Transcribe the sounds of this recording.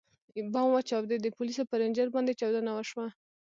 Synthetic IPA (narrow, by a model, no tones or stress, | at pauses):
bɑmwat͡ʃɑwd̪ed̪əpulisopəɾɪnd͡ʒəɾbɑnd̪et͡ʃɑwd̪anawaʃwa